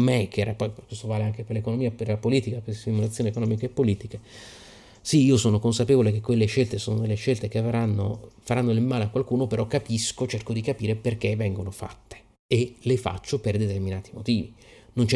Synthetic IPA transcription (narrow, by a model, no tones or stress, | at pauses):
mekeɛɾapɔjkwest̪ovaːleaŋkeperlekonomiːaperlapoliːt̪ikapest̪imulat̪sjoːniekonɔmikaepːoliːt̪ike | siiːosoːnokonsapeːvolek̟ekːwelːeʃːelt̪esoːnod̪elːeʃelt̪ekeavɾanːofaɾanːolemaːleakːwalkuːnopeɾɔkːapiskot͡ʃerkod̪ikapiːɾeperk̟evːɛŋɡonofa̰t̪ːe̥ | elefa̰t͡ʃːoperd̪et̪erminaːt̪imot̪iːvinont͡ʃɛ